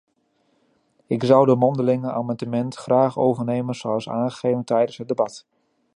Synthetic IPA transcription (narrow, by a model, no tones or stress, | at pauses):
ɪkzʌwdəmɔndəlɪŋəaːmandəmɛntχraːχowvərnejmənsoɑlˠsa̰ːnχə̥χejvəntɛjdənsɦəd̚dəbɑt